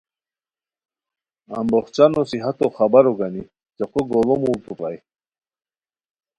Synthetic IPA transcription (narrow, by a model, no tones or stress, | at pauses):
a̰mboχt͡ɕanosiɦat̪oxabaɾoɡani | t͡seqoɡolomut̪upa̰j